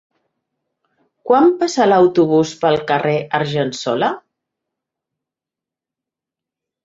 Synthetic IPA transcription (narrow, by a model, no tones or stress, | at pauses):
kwampasaləwt̪uβ̞uspəlˠkəreʔəɾʒənsɔlə